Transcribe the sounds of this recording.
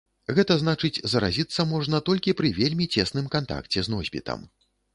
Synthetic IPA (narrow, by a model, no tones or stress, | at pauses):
ɣɛt̪ɐznat͡ʂɨt͡sʲzɐɾa̰zʲit̪sːɐmɔʐnɐt̪ɔlʲkʲipɾɨvʲelʲmʲit͡sʲɛsnɨmkant̪a̰kt͡sʲɛznɔzʲbʲḭt̪ɐ̰m